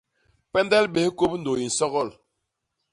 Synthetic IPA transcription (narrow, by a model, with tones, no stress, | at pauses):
pɛ˦ndɛ˦lɓe˨hko˦p̚n̩˨do˨i˨n̩˨sɔ˦ɣɔ˦˨l